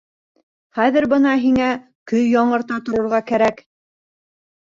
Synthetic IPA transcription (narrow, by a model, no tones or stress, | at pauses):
χæðɘɾbɤnɑɦiŋæ | kɵjːɒɴɤ̆ɾt̪ɑt̪ŏɾŏɾʁɑkæɾæk